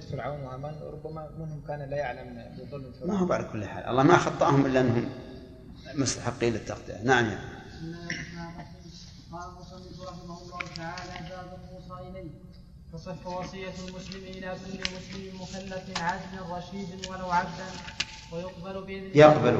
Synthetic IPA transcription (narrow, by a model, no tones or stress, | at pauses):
fɪɾʕawnwɪhamaːnɾˤʊbamamɪnhʊmkaːnlajaʕlambɪðˤʊlːɪlfɪɾmaɦubʕalakʊlːħa̰ːlʔɑ̰lˤːɑːmaxɑt̪ˤːɑʔhʊmʔɪlːaʔɪnːhʊm | mʊst̪ḁħɪqːiːlɪt̪ːɑqt̪ˤḭʔa̰naʕamja̰ʕ | mːaɪmaːms | qɑːlalmʊsˤɑnːɪfɾˤɑħɪmahʊlˤːɑːhʊt̪aʕaːlaʔbaːbʊlmʊsˤɑːʔɪlaː | ħasˤɑfawɑsˤɨjːalmʊslɪmʔɪlakʊlːɪmʊslɪmmʊxalːat̪ʕad͡ʒːaɾˤɑʃiːd̪ɪnwalawʕabd̪an | wɪjʊqbalbɪjɑqbal